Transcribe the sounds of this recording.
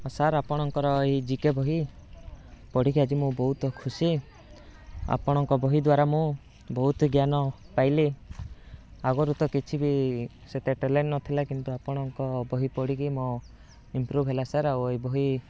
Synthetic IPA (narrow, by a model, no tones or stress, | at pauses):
ɔsaɾapɔɽ̃ɔŋkɔɾɔeɦid͡ʒikebɔɦi | pɔɽ̤ikiad͡ʒimũbɔɦut̪ɔkʰusi | a̰pɔɽ̃ɔŋkɔbɔɦid̪waɾamũ | bɔɦut̪ɡjanɔpajli | aɡɔɾut̪ɔkit͡ʃʰibi | set̪eʈelennɔt̪ʰilakint̪uapɔɽ̃ɔŋkɔbɔɦipɔɽikimɔ | impɾubʱɦelasaɾaoeɦibɔɦi